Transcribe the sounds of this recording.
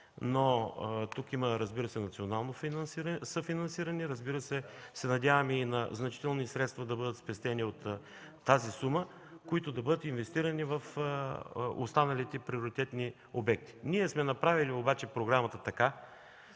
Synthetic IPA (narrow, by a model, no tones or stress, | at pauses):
not̪ukiməɾəzbiɾəsɛnɐt̪sionalˠnofinɐnsiɾsəfinɐnsiɾɐniɾəzbiɾəsɛsɛnɐd̪ʲavɐminɐznɐt͡ʃi̥t̪ɛlˠnisɾɛt̪st̪vɐd̪ɐbɤd̪ət̪spɛst̪ɛniot̪ː | azisumə | koit̪od̪ɐbɤd̪ət̪invɛst̪iɾənivɐf | o̰st̪anɐlit̪ɛpɾioɾit̪ɛt̪ni | obɛk̚t̪i̥niɛsmɛnɐpɾaviliobat͡ʃɛpɾoɡɾamɐt̪ət̪ɐka